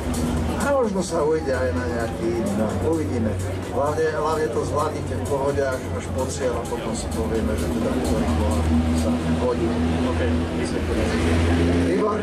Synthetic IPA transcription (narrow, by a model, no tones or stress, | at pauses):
amɔʒnɔsaujɟɛajnaɲɛakinɔuʋiɟiːmɛ | ɦlaʋɲɛɦlaʋɲɛt̪ɔzʋlad̪itɛnpɔɦɔɟakaʃpɔt͡sɪɛlapɔt̪ɔmsi̥pɔʋɪɛmɛʒɛt̪ɛd̪auɛɾikɔasaɦɔɟiok | isɛt̪ɛɛɛiʋa